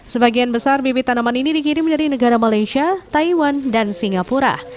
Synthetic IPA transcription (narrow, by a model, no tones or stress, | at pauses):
səbaɡianbəsarbebit̪anamaninidikiɾɪŋməɲd͡ʒadinəɡaɾamalajʃiat̪aiwandansiŋapuɾa̰